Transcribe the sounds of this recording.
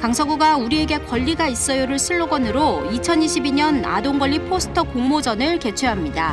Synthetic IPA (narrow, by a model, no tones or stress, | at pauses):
kaŋsʰʌɡuɡauɾie̞ɡe̞kʌʎːiɡais͈ʌjoɾɯɭsʰɯɭːoɡʌnɯɾoit͡ɕʰʌniɕʰibiɲʌna̰doŋɡʌʎːipʰosʰɯ̥tʰʌkoŋmod͡ʑʌnɯɭke̞t͡ɕʰweɦamɲida